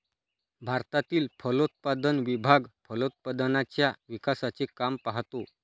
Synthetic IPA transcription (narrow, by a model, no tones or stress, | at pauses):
bʱaɾt̪at̪iːlfəlot̪̚pad̪ənʋibʱaɡfʰəlot̪̚pad̪nat͡ɕjaʋikasat͡ɕekampaɦt̪o